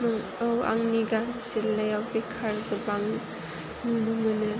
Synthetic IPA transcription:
mɯŋ | awa̰ŋniɡaselːajawbekʰaɾɡɯbaŋ | munɯmɯnɯ

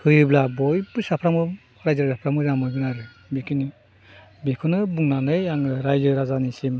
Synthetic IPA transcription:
hʰɯjɯblabɔjbɯsapʰɾamɯ | ɾajzɯɾzapʰɾamɯamɯɡɯnaɾɯ | bikini | bekʰɯnɯbuŋnanɯjaŋɯɾajzɯɾazanisim

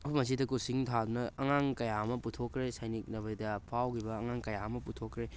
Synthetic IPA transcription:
ɐkujmɐs̬idɐkusiŋtʰad̪unɐɐŋaŋkɐjaɐmɐputʰokɾesajnik̚nɐβɐjdɐpʰawkibɐːŋaŋkɐjaɐmɐputʰokːɾe

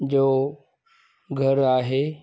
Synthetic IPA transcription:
d͡ʑoː | ɡʱɐɾaːɦeː

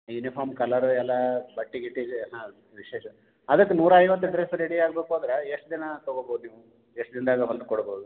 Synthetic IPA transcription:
junipʰaːɾmkɐlɐɾuɛlːɐbɐʈːiɡiʈːiɦãː | ʋiʃeːʃɐ | ɐd̪ɐkːenuːɾɐɐjʋɐt̪̬ːuɖɾesɾeɽiaːɡbeːkuand̪ɾeeʂʈd̪inɐt̪oɡoboːd̪uniːʋu | eʂʈd̪ind̪aːɡɐɦond̪ukɔɽbowd̪u

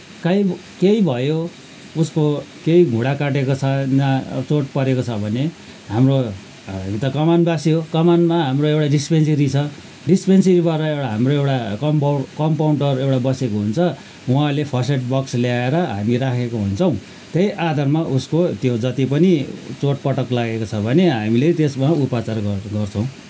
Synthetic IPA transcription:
kaj | kejbʱʌjo | uskokejɡʱuɽakaʈekot͡sʰʌnat͡soʈpʌɾekot͡sʰʌbʱʌne | ɦamro | it̪ʌkʌmanbasjokʌmanmaɦamroewʈaɖispenseɾit͡sʰʌ | ɖispenseɾibaɾʌewʈaɦamroewʈakʌmpkʌmpawɳʈʌrewʈabʌsekoɦunt͡sʰʌ | uãlepʰʌseʈ̚bʌksljaeɾʌɦa̰miɾakʰekoɦunt͡sʰʌ̃w̃ | t̪ejʔad̪ʱarmaʔuskot̪jod͡zʌt̪ipʌnit͡soʈ̚pʌʈʌklaɡekot͡sʰʌbʱʌneɦamilet̪esmaupat͡sarɡʌrt͡sʰʌw̃

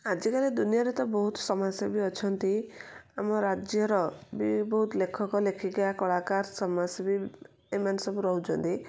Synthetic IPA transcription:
ad͡ʒikaled̪unijaɾet̪ɔbɔɦut̪ɔ̥sɔmasebiɔt͡ʃʰɔnt̪iamɔɾad͡ʒjɔɾɔbibɔɦut̪lekʰɔkɔlekʰiɡeakɔɭakaɾsɔmasebi | emansɔbuɾɔɦut͡ʃʰɔnt̪i

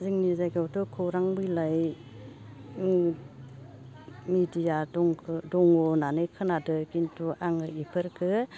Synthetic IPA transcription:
ziŋnizajkawtɔkʰɔwɾaŋbɯjlaj | midijadɔŋkʰɯdɔŋɔnanɯkʰɯnadɯkintuʔaŋɯipʰɯɾkʰɯ

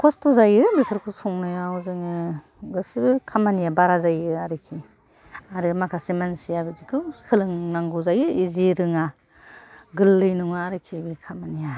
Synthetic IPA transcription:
kʰɔstuzajɯbipʰɯɾkʰusuŋnɯjawzɯŋɯ | ɡɯsibɯkʰamanijabaɾazajɯaɾɯkʰi | aɾɯmakʰasimansijabɯzikʰɯkʰɯlɯŋnaŋɡuzajɯiziɾɯŋa | ɡɯlːɯjnuŋɯaɾɯkʰibikʰamanija

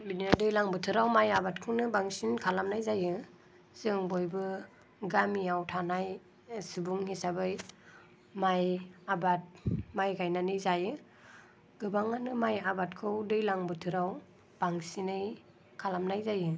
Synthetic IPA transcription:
bininadɯjlaŋbɯtʰɯɾawmajabatkʰɯwnɯbaŋsinkʰalamnajzajɯ | z̥ɯŋbojbɯ | ɡamiawtʰanaj | sibuŋhisabɯj | majabat̚majɡajnanɯzajɯ | ɡɯbaŋanɯmajabat̚kʰɯwdɯjlaŋbɯtʰɯɾaw | b̥aŋsinɯj | kʰalamnajzajɯ

